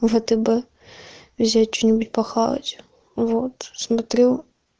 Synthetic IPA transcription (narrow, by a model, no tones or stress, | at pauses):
vɛt̪ɛbɛ | vzʲat̚ʲt͡ɕonʲɪbutʲpɐxalˠɐ̰tʲ | vot̪smɐt̪ɾɛw